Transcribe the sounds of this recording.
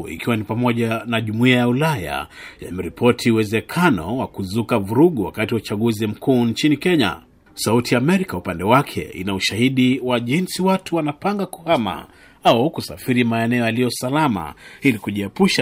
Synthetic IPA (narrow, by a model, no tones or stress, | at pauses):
ḭkiwanipamɔʄanaʄumuiajaulaja̰ja̰mɛɾipʰɔtʰiuwɛzɛkʰanɔ̰wakuzukavuɾuɠuwa̰katiwat͡ʃaɠuzim̩kʰuːnt͡ʃinikɛɲa̰ | sautijaːmɛɾikaupandɛwakʰɛ̰ʔḭnauʃahiɗiwaʄinsiwatuwanapaŋɡaku̥hama̰ | aukusa̰fiɾimaɛnɛɔjaliɔsalama̰ilikuʄiɛpuʃa